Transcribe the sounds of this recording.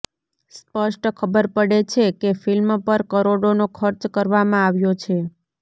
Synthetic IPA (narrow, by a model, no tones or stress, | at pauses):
spəʂʈkʰəbəɾpəɽet͡ʃʰekefɪlmpəɾkəɾoɽonokʰəɾt͡ʃkəɾʋamãaʋjot͡ʃʰe